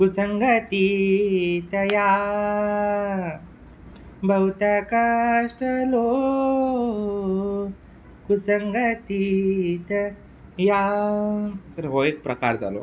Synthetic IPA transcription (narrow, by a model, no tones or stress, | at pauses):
kusɐŋɡɐt̪i | t̪ɐja | bʱɐwt̪ɐkɐʂʈɐlo | kusɐŋɡɐt̪it̪ɐ | ja | t̪ɐɾɦojek̚pɾɐka̰ɾd͡za̰lo̰